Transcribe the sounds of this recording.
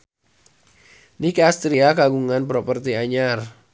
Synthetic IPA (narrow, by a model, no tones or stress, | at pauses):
nikast̪ɾiakaɡuŋanpɾɔpərt̪iaɲar